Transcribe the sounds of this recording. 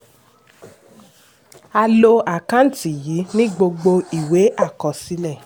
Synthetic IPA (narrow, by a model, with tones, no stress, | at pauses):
a˧lo˧a˨kã˦n̩˦ti˨ji˨˦nĩ˦ɡ͡bo˧ɡ͡bo˧i˨we˨˦ʔa˦˨kɔ˨si˧˦lɛ˦˨